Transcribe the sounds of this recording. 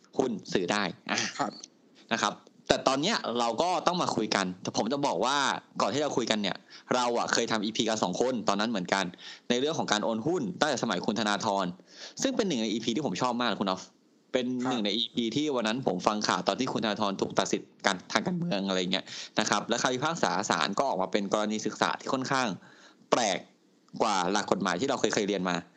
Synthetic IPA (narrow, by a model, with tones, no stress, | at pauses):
hu˥˩nsɯː˩˦daː˥˩jʔaː˨˩˧ | na˦˥kʰa˦˥p̚t̪ɛː˨˩t̪ɔː˧nːi˦˥ɐɾa˧wkɔː˥˩t̪ɔ˥˩ŋmaː˧kʰu˧jka˧nt̪ɛː˨˩pʰo˩˦mt͡ɕa˨˩bɔː˨˩k̚waː˥˩kɔː˨˩nt̪iː˥˩ɾa˧wkʰu˧jka˧nːi˥˩ɐɾa˧wʔa̰˨˩kʰɤː˧jt̪ʰa˧mʔiː˧pʰiː˧ka˧nsɔ̰ː˩˦ŋkʰo˧nt̪ɔː˧nːa˦˥nmɯ˩˦ənka˧nːa˧jɾɯ˥˩əŋkʰɔ˩˦kaː˧nʔoː˧nhu˥˩nt̪a˥˩ŋt͡ɕɛː˨˩sa˧ma˩˦jkʰu˧nt̪ʰa˧naː˧t̪ʰɔː˧nsɯ˥˩ŋpe˧nːɯ˨˩ŋna˧jʔiː˧pʰiː˧t̪iː˥˩o˩˦mt͡ɕʰɔː˥˩p̚maː˥˩k̚a˧˩ku˧nʔɔ˦˥f | pe˧nnːɯ˨˩ŋna˧jʔiː˧pʰiː˧t̪ʰiː˥˩wa˧nːa˦˥npʰo˩˦mfa˧ŋkʰa̰ː˨˩wt̪ɔː˧nt̪ʰiː˥˩u˧nt̪ʰnːaː˧t̪ʰɔː˧nt̪ʰuː˨˩k̚t̪a˨t̪̚si˨˩t̪̚kaː˧nt̪ʰaː˧ŋkaː˧nmɯ˧əŋʔa˧ɾa˧jːŋːi˦˥na˦˥kʰa˦˥p̚la˦˥kʰaː˧˩wiː˦˥pʰaː˥˩k̚sa̰ː˩˦sa̰ː˩˦nkɔː˥˩ʔɔː˨˩k̚maː˧pe˧nkɔː˧ɾa˧niː˧sɯ˨˩k̚sa̰ː˩˦t̪ʰiː˥˩o˥˩nkʰaː˥˩ŋ | pɾɛː˨˩k̚ː | waː˨˩la˨˩kːo˨˩t̪̚maː˨˦j̪t̪ʰiː˥˩ɾa˧wxɤ˧jkʰɤ˧jɾi˧ənmaː˧